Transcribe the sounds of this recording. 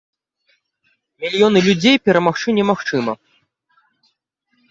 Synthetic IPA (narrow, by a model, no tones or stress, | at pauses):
mʲilʲjɔnɨlʲud͡zʲejpʲɛɾɐmaxt͡ʂɨnʲɛmaxt͡ʂɨmɐ